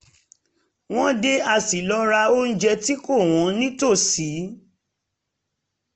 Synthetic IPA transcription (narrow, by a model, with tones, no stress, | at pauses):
w̃ɔ̃˦de˦a˧si˨lɔ˨˦ɾa˧o˦n̩˦d͡ʒɛ˧ti˦ko˦˨w̃ɔ̃˨˦nĩ˦to˦˨si˨˦